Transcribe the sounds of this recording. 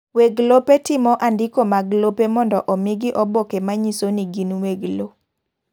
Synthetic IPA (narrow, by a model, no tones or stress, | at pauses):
weɡlopetɪmɔʔandɪkomaɡlopemɔndɔʔɔmɪɡɪʔɔbokemaɲisoniɡinweɡlo